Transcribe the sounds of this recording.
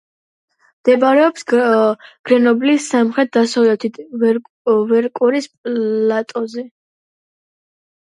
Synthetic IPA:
md̪̥ɛbaɾɛɔps | ɡ̥ɾɛnɔblisːamχɾɛt̪̚d̪asalɛt̪ʰit̪ | vɛɾkʼuɾispʼlat̪ʼɔzɛ

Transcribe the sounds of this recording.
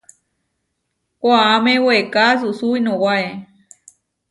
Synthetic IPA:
kʷaamẽwekas̬usuinõwae

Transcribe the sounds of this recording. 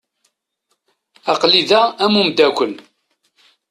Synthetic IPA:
ɑqliðææmumd̪ækʷən

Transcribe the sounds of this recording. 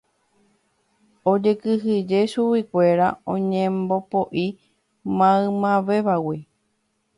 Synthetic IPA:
od͡ʒekɨɦɨd͡ʒe̞ʃuwikʷe̞ɾaõɲẽmbo̞poʔi | mãɨ̃mãʋeʋawi

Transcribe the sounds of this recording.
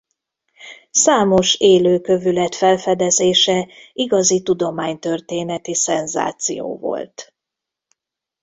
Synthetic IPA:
saːmo̞ʃeːløːkø̞vylɛt̪fɛlfɛd̪ɛzeːʃɛiɡɒzit̪ud̪o̞maːɲt̪ø̞rt̪eːnɛt̪isɛnza̰ːt̪sḭjo̰ːvo̰lt̪

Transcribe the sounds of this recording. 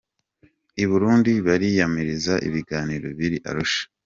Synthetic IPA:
iβuɾuːndiβaɾijamiɾizaʔḭβiɡaːniɾo̞βiɾiʔa̰ɾuʃḁ

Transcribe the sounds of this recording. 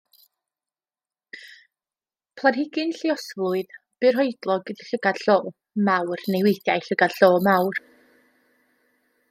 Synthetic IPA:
pʰlˠanɦɪɡɪnɬɪɔsvlˠʊɨðb̥ɨrɦɔɨdlˠɔɡdɬəɡad̥ɬoː | mawrnejwejdjajɬəɡadɬoːmawr

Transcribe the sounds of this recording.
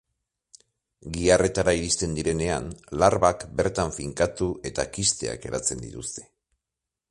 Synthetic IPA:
ɡiare̞t̪aɾaiɾist̪e̞nd̪iɾe̞ne̞a̰nlaɾβakbe̞ɾt̪aɱfiŋkat̪uʔe̞t̪akist̪e̞̰a̰ke̞ɾat͡se̞nd̪ḭt̪ust̪e̞̥

